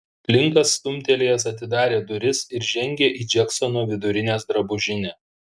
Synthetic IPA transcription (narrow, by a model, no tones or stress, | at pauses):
pʲlʲɪŋkɐsːt̪ʊmʲt̪ʲɛlʲeːjɛsɐt̪ʲɪd̪ɑːɾʲeːd̪ʊɾʲɪsɪɾʒʲɛŋʲɡʲeːʔiːd͡ʒʲɛksonuɔʋʲɪd̪ʊɾʲɪnʲeːsd̪ɾɐbʊʒʲɪnʲɛː